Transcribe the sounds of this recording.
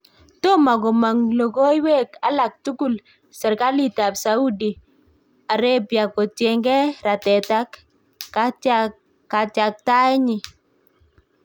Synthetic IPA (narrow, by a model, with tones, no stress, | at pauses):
to˦ma˨ɡɔ˨ma˨ŋlo˨ɡo˦i˦we˦ka˦la˨k̚tu˦ku˨l | sɛ˨ɾka˦li˦ta˨bsa˨˦u˦di˨ | a˨ɾe˦bja˨kɔ˨tjɛ˨ŋɡɛ˦ɾa˨tɛ˨ta˦kː | a˦ | ka˨t͡ʃa˨k̚ta˦ɛ˦ɲɪ˨